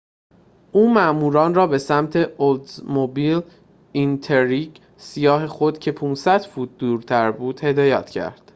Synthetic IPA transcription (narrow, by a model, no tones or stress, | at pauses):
ʔuːmæʔmuːɾɒːnrɒːbe̞sæmt̪ʰe̞old̪zmobil | int̪ʰeɾiɟ | sijɒːɦe̞xod̪̥cʰe̞pʰuːnsæd̪̥fuːt̪̚ʰd̪uːɾt̪ʰæɾbuːd̪̥he̞d̪ɒːjæ̰ːt̪ʰcʰæ̰ɾd̪̥